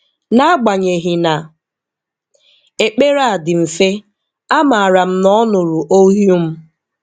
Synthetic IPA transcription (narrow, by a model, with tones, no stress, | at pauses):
na˦a˦ɡ͡ba˨ɲe˨ɦi˨na˨ | e˨k͡pe˦ɾa˦˨a˨dɪ˨m̩˨fe˦ | a˦ma˨a˨ɾa˨m̩˦nɔ˦nʊ˨ɾu˨ʔo˦ɦju˦m̩˦